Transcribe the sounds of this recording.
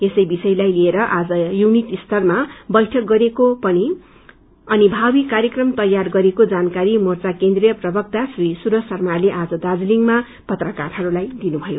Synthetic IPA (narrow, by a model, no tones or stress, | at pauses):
esʌjbisʌjlajlieɾʌʔad͡zʌjunit̪ist̪ʰʌrmabʌjʈʰʌk̚ɡʌɾekopʌni | ʌnibʱawikaɾjʌkrʌmt̪ʌjarɡʌɾekod͡zankaɾimurt͡sakend̪rijʌprʌbʱʌk̚t̪asrisuɾʌsʌrmaleʔad͡zʌd̪ad͡zliŋma | pʌt̪rʌkarɦʌɾulajd̪inubʱʌjo